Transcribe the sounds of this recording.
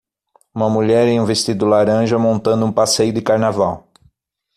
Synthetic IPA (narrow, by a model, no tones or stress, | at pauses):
ũmɐmuʎɛɾẽj̃ũvest̪id̪ʊlaɾɐ̃ʒɐmõnt̪ɐ̃nd̪ʊũpasejʊd̪ɪkaɾnavaw